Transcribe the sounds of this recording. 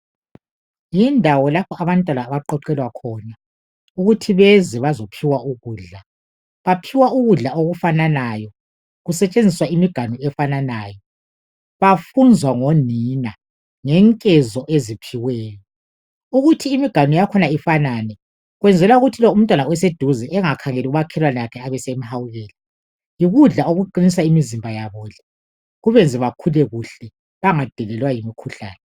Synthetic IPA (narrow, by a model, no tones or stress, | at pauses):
jindʱawɔlapʰɔʔaβantʼwanaːβaǃɔǃɛlwakʰɔːna | uɣutʰiβɛzɛβazopʰiwauɣuːɮa | βapʰiwauɣuɮaoɣufananajɔ | ɣusɛt͡ʃʼend͡zʱiswaimiɡ̥ʱanuɛfananaːjɔ | βafund͡zʱwaŋonina | ŋɛŋkʼɛzɔʔezipʰiwɛːjɔ | uɣutʰiːmiɡ̥ʱanujakʰɔnaifananɛ | ɣwɛnd͡zʱɛlwauɣutʰilɔum̩tʼwanawɛsed̥ʱuzɛʔɛŋakʰaŋeliɣuβakʰɛlwanɛakʰɛaβɛsem̩hawuɣɛːli | jiɣuɮaoɣuǃinisaimizimbʱajaβɔɮɛ̥ | ɣuβɛnd͡zʱɛβakʰulɛɣuɬɛ | βaŋad̥ʱiɣɛlwajimikʰuɬa̰ːnɛ